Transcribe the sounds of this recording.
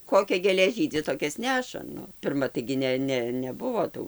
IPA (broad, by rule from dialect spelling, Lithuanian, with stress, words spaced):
ˈkoːkʲɛ ɡʲeːˈlʲeː ˈʒʲiːdʲɪ ˈtoːkʲɛs ˈnʲæːʃɐ ˈnʊ pʲɪrˈmɐ tɐɪɡʲɪ ˈnʲɛ ˈnʲɛ ˈnʲæːbʊʋoː ˈtuː